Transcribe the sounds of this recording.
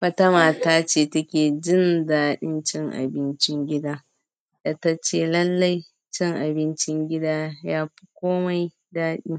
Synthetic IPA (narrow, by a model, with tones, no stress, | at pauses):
wɐ˦ta˦maː˨taː˦t͡ʃeː˦˨tɐ˦kʲeː˨d͡ʒɪ˦ndaː˦ɗɪ˦nt͡ʃɪ˦ŋʔa̰˨bɪ˦nt͡ʃɪ˦ŋɡʲɪ˦daː˦ | da˨ta˦t͡ʃeː˨lɐ˦lːa˦j | t͡ʃɪ˦ŋʔa˨bɪ˦nt͡ʃɪ˦ŋɡʲɪ˦daː˦jaː˦ɸi̥˦kʷoː˦ma˦j | daː˦ɗɪ˦ŋ